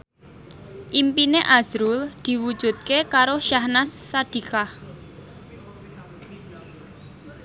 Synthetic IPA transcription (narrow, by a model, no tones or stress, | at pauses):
ʔimpineʔazɾuld̪̥i̤wud̥ʒ̥ṳt̪̚kekaɾoʃahnasːad̪̥i̤kah